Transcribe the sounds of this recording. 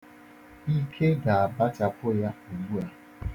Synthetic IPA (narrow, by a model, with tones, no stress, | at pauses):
i˦kʰe˦ɡa˨a˨ba˦t͡ʃa˦pʊ˦ja˦o˨ɡ͡bu˦a˦